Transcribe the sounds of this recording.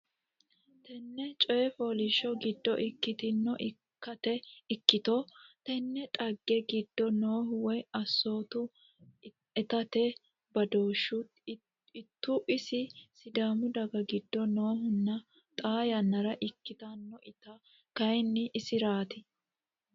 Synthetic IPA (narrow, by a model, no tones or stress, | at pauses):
t̪ɛnːɛt͡ʃʼɔjɛfo̞ːlɪʃɔɡɪd̪ːɔʔɪkːɪt̪ɪnːɔʔɪ | kːɐt̪ɛɪkːɪt̪ot̪ɛnːɛt̪ʼɐɡːɛɡɪd̪ːɔnoːɦʊwɔjɐsːo̞ːt̪ʊ | ɛt̪ɐt̪ɛ | bɐd̪o̞ːʃːʊ | ɪt̪ːʊʔɪsɪsɪd̪aːmʊd̪ɐɡɐɡɪd̪ːɔnoːɦʊnːɐ | t̪ʼaːjɐnːɐɾɐʔɪkːɪt̪ɐnːɔʔɪt̪ɐ | kɐjnːɪʔːsɪɾaːt̪ɪ